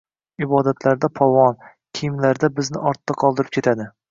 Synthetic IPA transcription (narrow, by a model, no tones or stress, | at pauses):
ɪbɒd̪at̪ʰlaɾd̪apʰɒvɒn | kʲʰijmlaɾd̪abɪznɪʔɒɾt̪ːaqʰɒlˠd̪ɪɾɪp̚kʲʰe̞t̪ʰad̪ɪ